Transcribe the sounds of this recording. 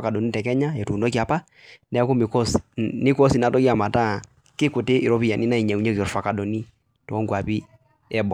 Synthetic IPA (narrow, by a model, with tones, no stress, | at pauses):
ka˨dɔ˨ni˦tɛ˨kɛ˦ɲa˦ɛ˨tu˨nɔ˦k̬i˨a˨pa˦ | nɛ˨˦ku˦mi˨kɔ˦sni˦kɔ˦si˨na˨tɔ˦ɡi˦a˨ma˨ta˦˨ | kɪ˦ku˨te˦ʔi˨ɾɔ˦βi˦ja˨ni˦na˦i˨ɲɛ˨u˨ɲɛ˦zɔ˨ɾfa˨ka˨dɔ˨ni˦ | tɔː˨˦ŋɡwa˨pi˦ | ɛ˦bɔ˨